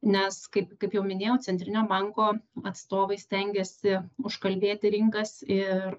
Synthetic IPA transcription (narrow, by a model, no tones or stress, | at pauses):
nʲɛskɐɪpkɐɪpjɛʊmʲɪnʲeːjɛʊt̪t͡s̪ʲɛnʲt̪ʲɾʲɪnʲoːbɐŋkoːɐt̪st̪oːʋɐɪsʲt̪ʲɛŋʲɡʲɛsʲɪʊʃkɐlʲbʲeːt̪ʲɪɾʲɪŋkɐsɪr